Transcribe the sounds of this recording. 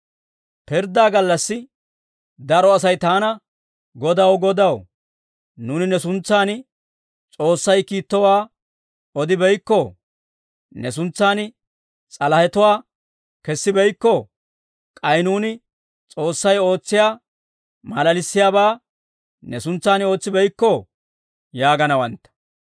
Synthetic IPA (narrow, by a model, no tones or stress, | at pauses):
pɪɾd̪aːɡɐlːɐsːɪ | d̪ɐɾɔɐs̬ɐjt̪aːnɐ | ɡɔd̪ɐwɡɔd̪ɐw | nuːnɪnɛsʊnt͡sːaːn | t͡sʼo̞ːsːɐjkiːt̪ːɔwaː | ɔd̪ɪbɛjkːɔ | nɛs̬ʊnt͡sːaːn | t͡sʼɐlɐhɛt̪ɔwaː | kɛsːɪbɛjkːɔ | kʼɐjnuːnɪ | t͡sʼo̞ːsːɐjo̞ːt͡sːɪjaː | mɐlɐlɪsːɪjaːbaː | nɛsʊnt͡sːaːno̞ːt͡sːɪbɛjkːɔ | jaːɡɐnɐwɐnt̪ːɐ̥